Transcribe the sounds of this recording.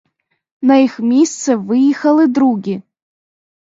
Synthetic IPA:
naixmʲist͡sɨvɨjixɐlɨd̪ɾuɡʲi

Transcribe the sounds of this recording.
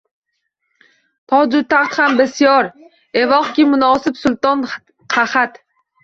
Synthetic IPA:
t̪ʰɒd͡ʒʊt̪ʰaχt̪hambɪsijɒɾ | evɒχkʲimʊnɒːsɪpsʊlˠt̪ɒn | qʰaχat̪

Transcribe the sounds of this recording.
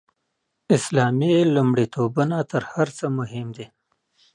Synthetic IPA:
ɪslɑːmilumɽit̪obənat̪əɾhaɾt͡səmʊɦɪmd̪e

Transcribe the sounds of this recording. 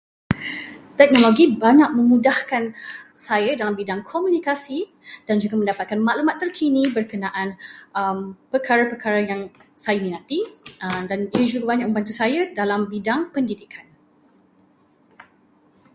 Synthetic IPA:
t̪ɛk̚noloɡibaɲak̚mə̃mũdahkansajadalambidaŋkʰomũnikasi | d̥and͡ʒuɡamə̃ndapat̪̚kanmaʔlumat̪ːərkʰinĩbərkənãʔanəmpərkʰaɾapərkaɾajaŋsajamĩnãt̪idaniəd͡ʒuɡabaɲak̚mə̃mbant̪̬usajadalambidaŋpəndidikʰan

